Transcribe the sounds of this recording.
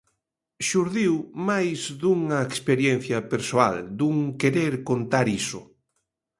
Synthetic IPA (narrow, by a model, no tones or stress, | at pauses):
ʃuɾðiwmajzðuŋɐekspeɾjenθjɐpeɾsoa̰ld̪uŋkeɾeɾkont̪aɾisʊ̰